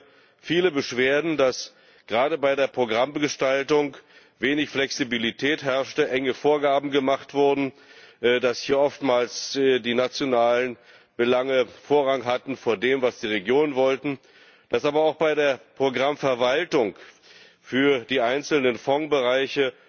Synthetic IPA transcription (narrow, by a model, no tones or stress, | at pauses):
fiːləbəʃv̥eːɐdn̩das | ɡ̥ʁaːdəbaɪdeːɐpʁ̥oɡʁambɡəʃtaltʊŋk | veːnɪçflɛksibilitʰɛːthɛɐʃtəʔɛŋəfoːɐɡaːbm̩ɡəmaχtv̥ʊɐdn̩ | d̥ashiːɐʔɔftmaːlsdiːnat͡sjonaːlən | b̥əlaŋəfoːɐʁaŋɦatn̩foːɐdeːmvasd̥iːʁeɡjoːnənvɔltn̩ | d̥asʔaːbɐaʊxb̥aɪdeːɐpʁ̥oɡʁamfɛɐvaltʊŋk | fyːɐdiːʔaɪnt͡sl̩nənfɔŋbəʁaɪçə